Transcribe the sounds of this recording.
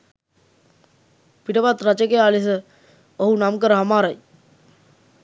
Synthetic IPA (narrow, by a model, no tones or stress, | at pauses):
piʈəpat̪ɾɐt͡ʃəkejaːlis̬ə | oɦunamkəɾəɦamaːɾaj